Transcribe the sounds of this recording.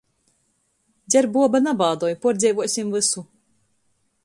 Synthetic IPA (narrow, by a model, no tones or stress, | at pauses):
d̪zʲɛɾbuɔbanabaːd̪ɔɔjpɔɾd̪zʲɛjvuɔsʲimvɨsu